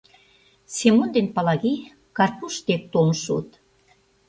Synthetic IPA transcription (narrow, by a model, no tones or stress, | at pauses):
semond̪enpɑlɑɣi | kɑrpuʃt̪ek̚t̪olnʃṵt̪